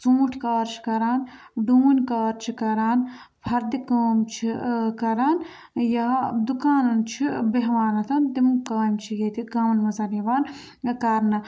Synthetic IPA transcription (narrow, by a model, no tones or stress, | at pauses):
suːuʈʰkaːɾt͡ʃʰi̥kɐɾaːnɖuːunʲkaːɾt͡ʃʰikɐɾaːn | pʰɐɾd̪ikɐːmt͡ʃʰikɐɾaːn | jad̪ukaːnɐnt͡ʃʰibeɦʋaːnɐt̪ʰɐnt̪imkaːjmt͡ʃʰijet̪ʰiɡɐmɐnmɐzɐniʋaːn | kɐɾnɐ